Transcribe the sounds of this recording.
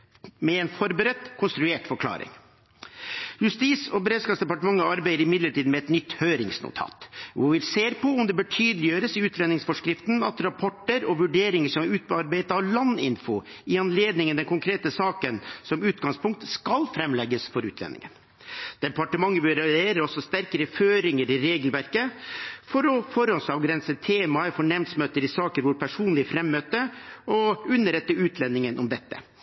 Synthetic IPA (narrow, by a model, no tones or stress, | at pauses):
mɛɛnfɔɾbəɾət̪kʰʊnst̪ɾʉeːʈfɔkʰlɑ̰ːɾɪ̰ŋ | jʉst̪iːsɔbəɾeːd̪skɑpsd̪ɛpɑʈəmɑŋːəɑɾbæɪəɾɪmɪd̪ləʈʰiːd̪mɛɛt̪nʏt̪ːhøːɾɪŋsnʊ̰t̪ʰɑ̰ːt̪ʋʊʋɪlseːɾpʰɔʊmd̪ɛbəːʈʰyːd̪əlɪjøːɾəsɪʉːt̪ʰlɛnɪŋsfɔʂkɾɪft̪nɑ̰t̪ɾɑpʰɔʈːəɾɔʋʉɖeːɾɪŋəʂɔmʉːt̪̚bəɑɾbæɪt̪ɑɔlɑnːɪ̰nfɔ | ɪɑnleːd̪nɪŋənd̪ɛnkʊŋkʰɾeːt̪əsɑːkənsɔmʉːt̪ɡɑŋspʰʊŋk̚t̪skɑlfɾɛmːlɛɡːəsfɔɾʉ̰ːt̪ʰlɛ̰nɪ̰ŋən | d̪̥ɛpɑʈəmɑŋːəʋɪɾɛeːɾəɾɔsːɔst̪æɾkəɾəføːɾɪŋəɾɪɾeːɡəlʋæɾkəfɔɾɔfɔɾɔsɑʋɡɾɛnsət̪ʰːeːmɑfɔɳɛmd̪smøːt̪əɾɪsɑːkəɾʋʊɾpʰæʂuːnlɪfɾɛmːøːt̪əɔʉnːəɾɛt̪ːəʉːt̪ʰlɛnːɪŋənʔɔmd̪ɛt̪ːə̰